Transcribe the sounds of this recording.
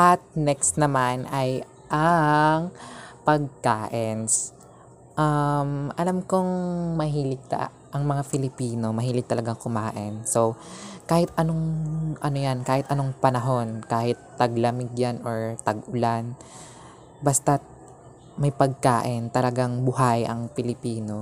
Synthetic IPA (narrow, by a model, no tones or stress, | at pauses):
ʔɐt̪̚nɛkst̪nɐmanʔɐj | ʔɐŋpɐɡ̚kaːʔɪɛns | ʔɐmʔɐlamkoŋmɐɦiːlɪɡ̚t̪ɐ̰ | ʔɐŋmɐŋafɪlɪpiːno̞mɐɦiːlɪɡ̚t̪ɐlɐɡaŋkʊmaːʔɪnso̞wkaːhɪt̪ʔɐno̞ŋʔɐnojankaːhɪt̪ʔɐnoŋpɐnɐɦo̞nkaːhɪt̪ːɐɡlɐmɪɡjanoɹt̪ɐɡʔʊlan | bast̪ɐ | mɐjpɐɡ̚kaːʔɪnt̪ɐlɐɡaŋbʊɦajʔɐ̰ŋpɪlɪpiːno̞